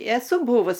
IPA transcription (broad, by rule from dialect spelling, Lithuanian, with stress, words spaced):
ɛˈsʊ ˈbuːʋʊs